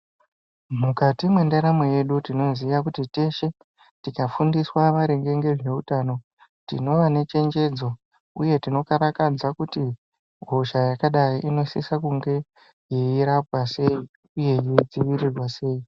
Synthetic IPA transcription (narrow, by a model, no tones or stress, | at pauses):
mukatimwendaɾamoje̞ɗutino̞zijakutite̞ʃe̞ | tikafundiswaʋaɾeŋɡe̞ŋɡe̞ʐe̞utano̞ | tḭno̞ʋane̞t͡ʃe̞nd͡ʒe̞d͡zo̞ | uje̞tino̞kaɾakad͡zakuti | ɡʱo̞ʃajakaɗaiʔino̞sisakuŋɡe̞ | jeiɾap̚wase̞i | uje̞jeid͡ziʋirirwase̞ːi